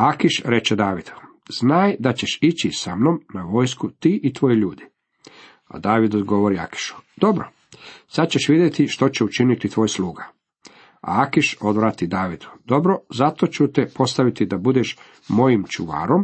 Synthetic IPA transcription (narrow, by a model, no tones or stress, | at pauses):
akiʃɾe̞t͡ʃed̪aːʋid̪̥u | znaːjd̪at͡ɕeʃit͡ɕisamno̞mnaʋo̞ːjskut̪iːʔit̪ʋo̞jiʎuːd̪i | a̰d̪aːʋid̪od̪ɡo̞ʋo̞ɾia̰ki̥ʃu̥d̪̥o̞bɾo | sat͡ɕeʃʋid̪jet̪iʃt̪o̞t͡ɕeut͡ʃinit̪it̪ʋo̞ːjsluːɡa | a̰akiʃo̞d̪ʋɾaːt̪id̪aːʋid̪u̥d̪o̞bɾo̞zat̪o̞t͡ɕut̪ɛpo̞st̪aʋit̪id̪abud̪eʃ | mo̞jimt͡ʃuʋa̰ːɾom